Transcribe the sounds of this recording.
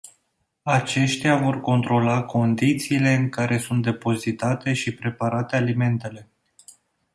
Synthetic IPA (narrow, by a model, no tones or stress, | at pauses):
at͡ʃe̞ʃt̪eavo̞rko̞nt̪ɾo̞lakʰo̞nd̪it̪siːle̞ɨŋkaɾʔe̞sunt̪̚d̪e̞po̞zit̪at̪e̞ʃipɾe̞paɾat̪e̞alime̞nt̪e̞le̞